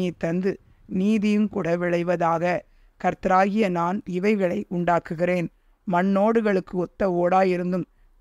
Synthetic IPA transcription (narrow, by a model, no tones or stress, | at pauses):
ɐɪt̪ːɐnd̪ɯ | niːðɪjɯmkʊɽɐʋɪɭɐɪʋɐðaːɣɐ | kɐɾt̪ɐɾaːɣɪjɐnaːnɪʋɐɪɣɐɭɐɪʔʊɳɖaːkɯɣɪreːn | mɐnːoːɽɯɣɐɭɯkːɯɔt̪ːɐoːɽaːjɪɾɯnd̪ɯm